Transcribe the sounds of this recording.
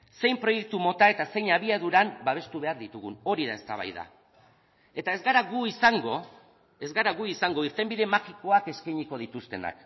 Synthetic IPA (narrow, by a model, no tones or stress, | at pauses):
se̞jmpɾo̞jek̚t̪umo̞t̪ae̞t̪ase̞jɲaβiaðuɾambaβ̞e̞st̪uβe̞aɾðit̪uɣuno̞ɾiðae̞st̪a̰β̞a̰jða̰ | e̞t̪ae̞zɣaɾaɣuisaŋɡo̞ | e̞zɣaɾaɣuisaŋɡo̞iɾt̪e̞mbiðe̞maxiko̞ake̞skajɲiko̞ð̞it̪ust̪e̞̰na̰k